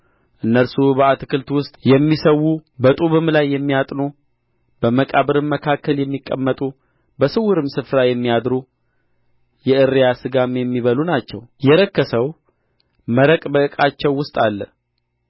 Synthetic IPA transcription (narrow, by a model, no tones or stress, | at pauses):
ʔɨnːəɾsubəat̪kʰɨlt̪wʊst̪ʼjɛmːisəwubət̪ʼuβɨmlajːɛmːijat̪ʼno | bəməkʼaβɨɾɨmːəkʰakːəljɛmːikʼːəmːət̪ʼu | bəsɨwʊɾɨmsɨfɾajɛmːijad̪ɾu | jɛʔɨɾːijasɨɡamjɛmːiβəlunat͡ʃːɛ̰wjɛɾəkːəsəw | məɾəkʼbəɨkʼat͡ʃːɛwːʊst̪ʼalːə̰